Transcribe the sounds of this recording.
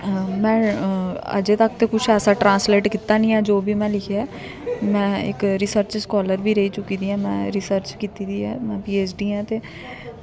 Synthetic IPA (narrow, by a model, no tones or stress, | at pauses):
mɛ̃ː | ə̰d͡ʒeːt̪ək̚t̪eːkʊt͡ʃʰɛːsaːʈɾãːnsleːʈkit̪ːaːnĩːɛːd͡ʒoːbiːmɛ̃ːlɪkʰeaː | mɛ̃ːɪ̰kɾisəɾt͡ʃskɔːləɾʋiːɾəiːt͡ʃʊkːiːd̪iːɛ̃ːmɛ̰̃ːɾisəɾt͡ʃkiːt̪iːd̪iːɛːmɛ̃ːpiːeːsɖiːɛ̃ːt̪eː